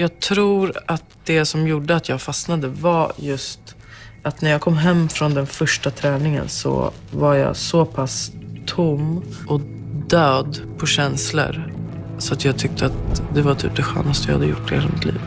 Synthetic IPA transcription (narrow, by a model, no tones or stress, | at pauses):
jɑːɡt̪ʰɾuːɾat̪d̪̥ɛsɔmjuɖəat̪ʰjɑːɡfasnad̪əvajɵst̪ | ʔat̪næɾjaːkʰɔmːɦɛmːfɾɔnd̪ɛnfœʂʈat̪ʰɾɛːnɪŋə̰nsɔ̰ | vaɾjɑ̰ːsɔpʰast̪ʰʊmʔɔ | d̪øːd̪pʰɔɕɛnslə̰ɾ | sɔat̪jɑːɡ̚t̪ʰʏk̚t̪ʰəat̪d̪ɛvatʰy̰ːp̚d̪ɛɧø̰ːnast̪əj̰had̪əjʊ̰ʈːɛheːlamɪt̪ʰlḭːv